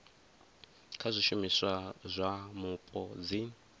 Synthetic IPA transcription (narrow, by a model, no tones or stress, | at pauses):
kʰazʷiʃumisʷazʷamupʼɔd͡zi